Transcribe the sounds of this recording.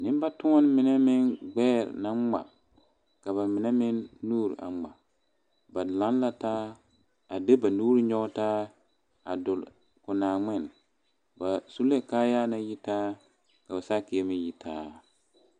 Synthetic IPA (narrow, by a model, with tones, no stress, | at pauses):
nɪ̃˦m˦ba˦tu˦ɔ˦n˦mɪ˨nɛ˦mɪ˦nɡ͡bɛː˦˨ɾ̰na˦ŋ͡ma̰˨ | ka˨βa˨mɪ˨nɛ˦mɪ˦nːuː˦ɾʔa̰˨ŋ͡ma̰˨ | ba˨lã˨˦n˦la˦taː˦ | a˨de˦ba˨nuː˦ɾi˦ɲɔ˦taː˦ | a̰˨dʊ˨l | kʊ˨naː˨ŋ͡mɪ˦˨n | ba˨su˦le˦kaː˦jaː˦na˦ji˦taː˦ | ka˨ba˨sa˦˨kɪ˨ɛ˦mɪ˦ji˦tʰaː˦